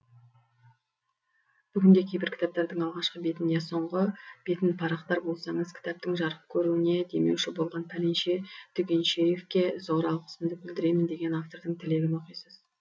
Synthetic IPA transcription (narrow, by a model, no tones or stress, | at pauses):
b̥ʏɡʲɪnd̪e̞kʲʰe̞jbɪɾkʲʰt̪ɑp̚t̪ɑɾd̪əɴɑlˠʁɑʃqəbe̞t̪ɪnj̪eso̞ɴʁəb̥e̞t̪ɪnpʰɑɾɑqt̪ɑɾbo̞lˠsɑɴəzkʲʰɪ̥t̪ɑp̚t̪ɪŋʒɑɾəp̚kʲʰɵɾuɪne̞d̪e̞me̞̰wʃɪbo̞lˠʁɑnpʰæɾenʃe̞t̪ʰʏkʲe̞nʃeje̞fkʲe̞zo̞ʁɾɑlˠqə̥səmd̪əbɪld̪ɪɾe̞jmɪnd̪e̞ɡʲe̞naft̪o̞ɾd̪əŋt̪ʰɪle̞ɡʲɪno̞qijsəz̥